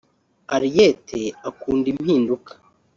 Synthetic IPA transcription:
aɾijetʰeakuːndim̥hiːndukʰḁ

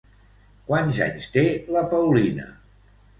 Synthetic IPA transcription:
kwanza̰ɲst̪eləpəwlinə̰

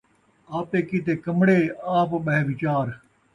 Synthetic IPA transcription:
aːp̚t̪eːkiːt̪eːkəmɽeːaːpɓɐɦeʋɪt͡ʃaːɾ

